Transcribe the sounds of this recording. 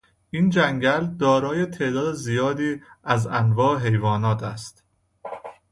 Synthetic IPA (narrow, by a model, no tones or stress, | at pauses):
ʔiːnd͡ʒæŋɟæld̪ɒːɾɒːjet̪ʰe̞ʔd̪ɒːd̪ezijɒːd̪iːæzænvɒːeɦe̞jvɒːnɒːt̪ʰæst̪